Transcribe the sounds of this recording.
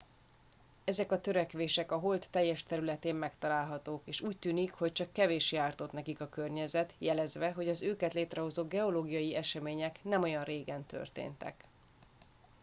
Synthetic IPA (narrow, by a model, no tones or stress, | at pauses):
ɛzɛkɒt̪øɾɛkʋeːʃɛkɒɦo̞lt̪ːɛjːɛʃt̪ɛɾylɛt̪eːmmɛkt̪ɒlaːlɦɒt̪oːkeːʃuːc̚t̪yːnikho̞c̚t͡ʃɒkːɛveːʃjaːrt̪o̞t̪nɛkikɒkø̞rɲɛzɛt̪jɛlɛzʋɛɦo̞ɟɒzøːkɛt̪leːt̪rɛɦo̞zoːɡɛo̞loːɡijɒjiɛʃɛmeːɲɛknɛmo̞jɒnreːɡɛnt̪ø̰rt̪ḛːnt̪ɛ̰k